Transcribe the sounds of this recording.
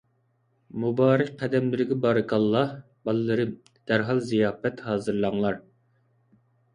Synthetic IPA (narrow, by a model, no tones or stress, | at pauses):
mubɑːɾɪk̚ʲqʰːɛd̪ɛmlɪɾɪɡʲɛbɑːɾɨkʰɑlˠːɑh | bɑlˠɨlːɨɾɨm | d̪̥æɾɦɑlˠzijɑːfɛt̪hɑːzɨɾlˠɑŋlˠɑɾ